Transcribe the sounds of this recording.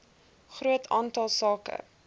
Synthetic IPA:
χrɾuətʰɑːntɑlˠsɑːkə̰

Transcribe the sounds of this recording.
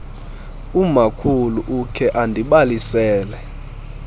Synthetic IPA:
umakʰuluʔukʰɛʔandʱiɓalisɛːlɛ

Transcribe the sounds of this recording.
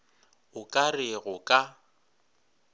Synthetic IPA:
ʊkʼarɪɣʊkʼa

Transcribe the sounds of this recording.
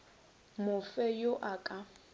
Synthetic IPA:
mʊfɛjʊʔakʼa

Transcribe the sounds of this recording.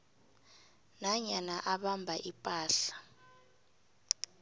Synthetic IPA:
naɲanaʔaɓambʱaʔipʼaːɬḁ

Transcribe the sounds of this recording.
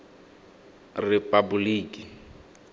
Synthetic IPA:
rɛpʼabuliːkʼi

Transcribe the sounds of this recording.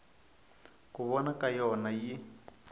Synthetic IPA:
kuβɔnakʼajɔnaji

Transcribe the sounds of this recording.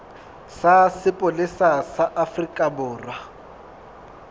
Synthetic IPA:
sasɪpʼʊlɪsasaʔafrikʼabʊːrwa

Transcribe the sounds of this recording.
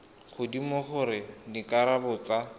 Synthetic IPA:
χʊdimoχʊɾɪdikʼaɾabʊt͡sa

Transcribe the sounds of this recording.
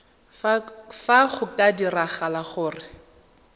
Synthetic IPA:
faχʊkʼadiraχalaχʊːrɪ

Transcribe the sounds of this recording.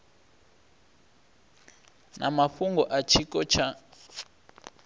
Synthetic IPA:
nʔa̰maɸuŋɡɔʔat͡ʃʰikʼɔt͡ʃʰa

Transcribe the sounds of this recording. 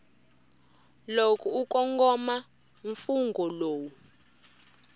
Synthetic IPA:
lokʼɔukɔŋɡɔma | ɱfuŋɡɔloːwu

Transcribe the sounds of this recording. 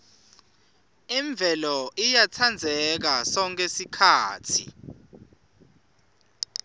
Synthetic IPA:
iɱb̪vʱɛlɔʔijat͡sʰand͡zʱɛk̬asɔŋk̬ʰʼesikʰaːtʰḭ

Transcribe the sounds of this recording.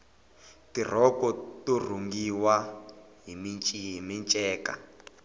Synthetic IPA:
tir̤ɔkɔtur̤uŋɡiwa | ɦimint͡ʃʼiɦimint͡ʃʼɛːka̰

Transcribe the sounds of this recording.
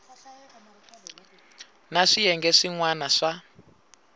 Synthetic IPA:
naʂijɛŋɡɛʂiŋwanaʂa

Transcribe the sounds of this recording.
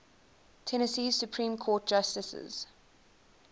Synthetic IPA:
tʰɛnəsiːz̥sjupʰɹĩːmkʰɔːt̚d͡ʒ̥astɪsə̰z̥

